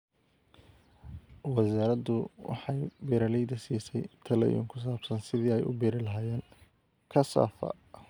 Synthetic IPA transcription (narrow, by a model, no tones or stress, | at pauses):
wɑsaːɾɐd̪ʊwɑ̰ħɑjbiːɾɐlɛjd̪ɐsiːsɛjt̪ʰɐlɛ̰jɔ̰ːŋkʰʊs̬aːbsɐnsɪðiːɛjʔʊ̰biːɾɪlɐɦaːjɛːŋ | kʰɐsa̰ːfɐ̰